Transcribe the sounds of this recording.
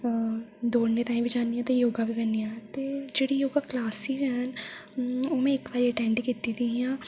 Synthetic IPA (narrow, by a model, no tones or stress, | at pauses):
d̪oːɽnet̪aːĩbʱid͡ʒaːnd̪ijãːt̪ejoːɡabʱikənːijãt̪eːd͡ʒeːɽijoːɡaklaːsid͡ʒɦɛn | oːmẽɪkʋaːɾeʈɛ̃ːɳɖkiːt̪it̪ʰiɦijãː